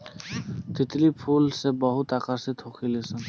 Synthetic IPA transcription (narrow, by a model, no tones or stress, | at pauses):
t̪it̪lipʰulsebɔɦut̪akaset̪ʰokʰilesen